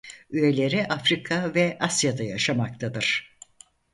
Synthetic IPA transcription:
yje̞lʲe̞ɾiʔafɾikʰavɛʔasjad̪ajaʃamak̚t̪ʰad̪ɯɾ̥

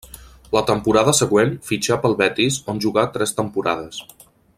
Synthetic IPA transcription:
lət̪əmpuɾaðəsəɣwenfid͡ʒapəlˠβɛt̪izonʲʒuɣat̪ɾɛst̪əmpuɾa̰ð̞əs

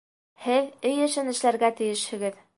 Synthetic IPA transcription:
hɘðɘjɘ̆ʃɘnɘ̆ʃlæɾɡæt̪ɘ̆jɘ̆ʃhɘ̆ɡɘð

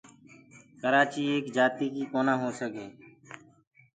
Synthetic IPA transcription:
kəɾaːt͡ʃiːeːkd͡ʒaːt̪iːkiːkoːnãːɦoːsəɡeː

